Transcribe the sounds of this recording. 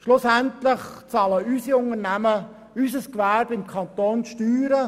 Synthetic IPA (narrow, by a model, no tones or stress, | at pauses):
ʃlʊsæntlɪχt͡sɑːləysiʊnəɾnæmə | ysəskʋæɾbɪmkʰɑnt̪oːnʃtyːɾə